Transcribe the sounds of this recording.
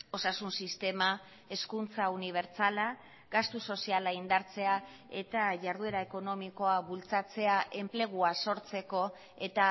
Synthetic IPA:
o̞sasunsist̪e̞ma | e̞skunt͡sauniβ̞e̞ɾt͡sala | ɡast̪uso̞sialaind̪aɾt͡se̞a | e̞̰t̪aʝaɾð̞ue̞ɾae̞ko̞no̞miko̞aβult͡sat͡se̞aʔe̞mple̞ɣ̞uaso̞ɾt͡se̞ko̞ | e̞t̪a

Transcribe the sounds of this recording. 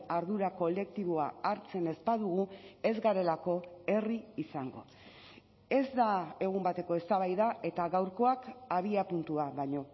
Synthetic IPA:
aɾðuɾako̞le̞k̚t̪iβ̞o̞aaɾt͡se̞ne̞zpaðuɣ̞ue̞zɣaɾe̞lako̞e̞riːsaŋɡo̞̰ | e̞zd̪ae̞ɣ̞umbat̪e̞ko̞e̞st̪aβ̞ajðaʔe̞t̪aɣawɾko̞akaβ̞iapunt̪uaβaɲo̞

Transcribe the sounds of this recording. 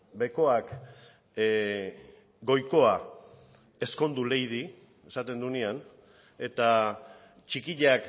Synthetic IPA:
be̞ko̞ak | ɡo̞jko̞a | e̞sko̞nd̪ule̞jð̞i | e̞sat̪e̞nd̪unian | e̞t̪a | t͡ʃikiʎak

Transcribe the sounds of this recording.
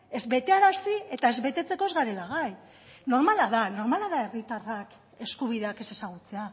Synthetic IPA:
e̞zβe̞t̪e̞aɾasie̞t̪ae̞zβe̞t̪e̞t͡se̞ko̞ezɣaɾe̞laɣaj | no̞ɾmalaðano̞ɾmalaðae̞rit̪arak | e̞skuβ̞iðe̞ake̞se̞saɣ̞ut͡se̞a

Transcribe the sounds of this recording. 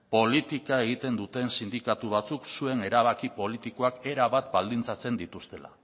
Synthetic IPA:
po̞lit̪ikae̞ɣ̞it̪e̞nd̪ut̪e̞nsind̪ikat̪uβ̞at͡suksue̞ne̞ɾaβ̞akipo̞lit̪iko̞ake̞ɾaβat̪bald̪int͡sat͡se̞nd̪it̪ust̪e̞la̰

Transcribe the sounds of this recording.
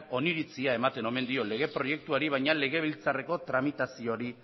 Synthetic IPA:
o̞niɾit͡siae̞mat̪e̞no̞me̞nd̪io̞le̞ɣ̞e̞pɾo̞je̞k̚t̪uaɾiβ̞ajɲale̞ɣe̞β̞ilt͡sare̞ko̞t̪ɾamit̪asio̞ɾi

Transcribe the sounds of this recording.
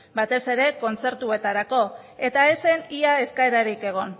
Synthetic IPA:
bat̪e̞se̞ɾe̞ko̞nt͡se̞ɾt̪ue̞t̪aɾako̞ | e̞t̪ae̞seniae̞skaeɾaɾike̞ɣ̞o̞n

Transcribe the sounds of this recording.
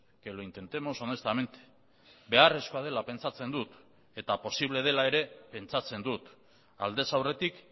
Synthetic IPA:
keloint̪e̞nt̪e̞mo̞so̞ne̞st̪ame̞nt̪e̥ | be̞are̞sko̞að̞e̞lape̞nt͡sat͡se̞nd̪ut̪ | e̞t̪apo̞siβle̞ð̞e̞lae̞ɾe̞pe̞nt͡sat͡se̞nd̪ut̪ | a̰ld̪e̞sawre̞t̪ik

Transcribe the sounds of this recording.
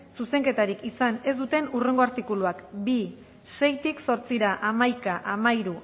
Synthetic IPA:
suse̞ŋke̞t̪aɾikisane̞zd̪ut̪e̞nure̞ŋɡo̞aɾt̪ikuluakbi | se̞jt̪ikso̞ɾt͡siɾaʔamajkaʔamaiɾu

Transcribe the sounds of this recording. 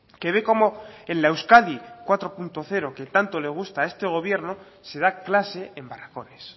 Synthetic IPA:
ke̞βe̞ko̞mo̞enlaewskaðikwat̪ɾo̞punt̪o̞θe̞ɾo̞ke̞t̪ant̪o̞le̞ɣ̞ust̪ae̞st̪e̞ɣ̞o̞βje̞ɾno̞ | se̞ð̞aklase̞embarako̞nes

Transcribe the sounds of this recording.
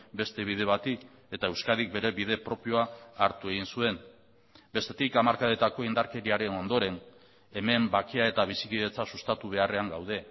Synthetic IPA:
be̞st̪e̞β̞ið̞e̞βat̪ik | e̞t̪ae̞wskaðik̚be̞ɾe̞βiðe̞pɾo̞pio̞aːɾt̪ue̞ɣ̞insue̞n | be̞st̪e̞t̪ikamaɾkaðet̪ako̞ind̪aɾke̞ɾiaɾe̞no̞nd̪o̞ɾe̞n | e̞me̞mbakiae̞t̪aβ̞isiβið̞e̞t͡sasust̪at̪uβ̞e̞are̞aŋɡawð̞e̞

